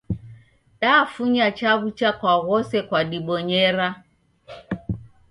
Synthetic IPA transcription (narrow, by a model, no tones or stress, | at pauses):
ɗafuɲat͡ʃaβut͡ʃakwaɣɔsɛkwaɗiɓɔɲɛɾa